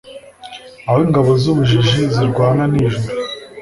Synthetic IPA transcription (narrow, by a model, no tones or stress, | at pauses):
awiːŋɡaβozuβuʒiʒiziɾɡwaːnaniʒuɾu